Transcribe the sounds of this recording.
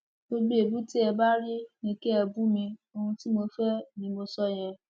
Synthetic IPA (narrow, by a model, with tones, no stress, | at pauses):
ɡ͡bo˧ɡ͡be˨e˨bu˦ti˦ɛ˧ba˦ɾi˦nĩ˦˧ke˦ɛ˧bu˦mĩ˧o˧hũ˧ti˦mo˧fɛ˦nĩ˧mo˧sɔ˦˨j̃ɛ̃˧